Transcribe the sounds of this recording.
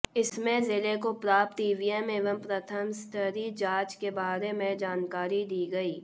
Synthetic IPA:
ɪsmẽzɪlekopɾaːp̚t̪iːʋiɛmeːʋəmpɾət̪ʰəmst̪əɾid͡ʒaːt͡ʃkebaːɾemẽd͡ʒaːnkaːɾid̪iːɡɐiː

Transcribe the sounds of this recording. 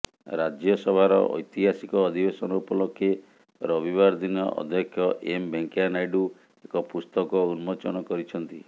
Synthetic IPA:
ɾad͡ʒjɔsɔbʱaɾɔ̰ʔɔ̰jt̪iɦasikɔːd̪ʱibesɔnɔupɔlɔkʰːe | ɾɔbibaɾd̪inɔ̰ʔɔ̰d̪ʱjɔkʰjɔʔembeŋkjanajɖu | ekɔpust̪ɔkɔunmɔt͡ʃɔnɔkɔɾit͡ʃʰɔnt̪i

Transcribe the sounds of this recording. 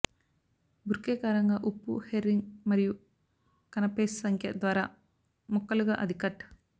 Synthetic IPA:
buɾkeːkaːɾɐŋɡaʔupːṵheɾːiŋɡmɐɾiju | kɐnɐpeːssɐŋkʰjɐ̰d̪ʋaːɾa̰ː | mɔkːɐluɡaʔɐd̪ʱikɐʈ

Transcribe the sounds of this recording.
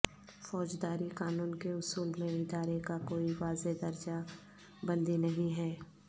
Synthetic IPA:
fɔːd͡ʒd̪aːɾikaːnuːnkeʊsuːlmẽɪd̪aːɾekakoːiʋaːzed̪ɐɾd͡ʒa | bɐ̃nd̪inɐɦĩɦɛː

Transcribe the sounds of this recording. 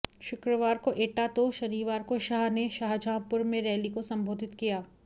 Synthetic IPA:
ʃʊkɾəʋaːɾkoʔeːʈat̪oʃɐɾiːʋaːɾkoʃaːɦneʃaːɦd͡ʒʱãːpʊɾmẽɾɛːlikosɐ̃mbʱoːd̪ʱɪt̪kijaː

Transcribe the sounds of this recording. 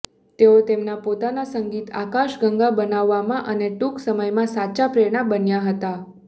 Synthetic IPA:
t̪eot̪emnapot̪anasəŋɡit̪a̰kaʃɡəŋɡabənaʋːamãʔəneʈuksəməjmãsat͡ʃapɾeɽ̃abənjaɦət̪a

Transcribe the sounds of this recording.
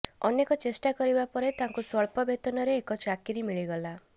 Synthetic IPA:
ɔnekɔt͡ʃesʈakɔɾibapɔɾet̪aŋkusɔɭpɔbet̪ɔnɔɾeːkɔt͡ʃakiɾimiɭiɡɔla

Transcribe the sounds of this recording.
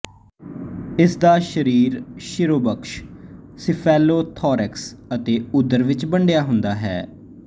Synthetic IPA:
ɪsd̪aːʃəɾiːɾʃɪɾoːbəkʃsɪpʰɛːlːoːt̪ʰɔːɾɛksət̪eːʊd̪ːəɾʋɪt͡ʃbəɳɖejaːɦʊnd̪aːɦɛ̰ː

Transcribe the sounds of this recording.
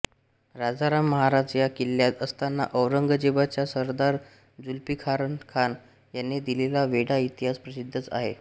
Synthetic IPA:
ɾad͡zaɾamːəɦaɾad͡ʑjakilːjat̪əst̪anːa̰ʔəʋɾəŋɡəd͡ʑeʋat͡ɕjasəɾd̪aɾ | d͡zulpikʰaɾənkʰan | janːed̪ilelaʋeɽait̪iɦaspɾəsid̪ʱːət͡sa̰ɦḛ

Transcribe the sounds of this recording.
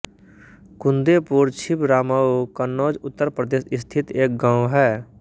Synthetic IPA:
kʊ̃nd̪eːpuːɾt͡ʃʰɪpɾaːmaokənːoːd͡ʒʊt̪ːəɾpɾəd̪eːsɪst̪ʰɪt̪eːk̚ɡãːwɦɛː

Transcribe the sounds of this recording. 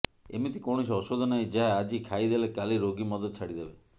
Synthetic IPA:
ḛmit̪ikɔɽ̃isiɔsod̪ʱɔnaɦĩd͡ʒaɦaːd͡ʒikʰaid̪elekaliɾoɡimɔd̪ɔt̪ɔt͡ʃʰaɽid̪ebe

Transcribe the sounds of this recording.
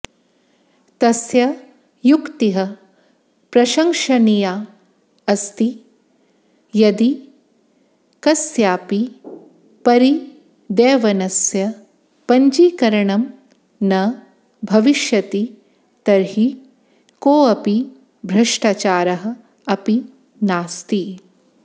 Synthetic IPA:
t̪ɐsjɐ | jukt̪iɦɐ | pɾɐʃɐŋʂɐnijaː | ɐst̪i | jɐd̪i | kɐsjaːpi | pɐɾi | d̪ɛːʋɐnɐsjɐ | pɐɲd͡ʒiːkɐɾɐɳɐm | nɐ | bʱɐʋiʃjɐt̪i | t̪ɐɾɦi | koːɐpi | bʱɾɐʂʈaːt͡ʃaːɾɐɦɐ̆ | ɐpi | naːst̪i

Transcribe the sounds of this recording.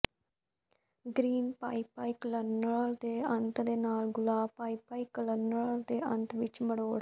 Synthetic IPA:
ɡɾiːnpa̰ːiːpaːiːklənəld̪eːənt̪d̪eːnaːlɡʊlaːpaːiːpaːikələnəd̪eːʔə̃nt̪ʋɪt͡ʃməɽoːɽ

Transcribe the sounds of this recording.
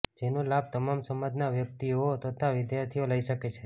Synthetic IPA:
d͡ʒenolab̚t̪əmamsəmad̪naʋjək̚t̪ioət̪ʰʋət̪ʰaʋɪd̪jaɾt̪ʰioləiʃəket͡ʃʰe

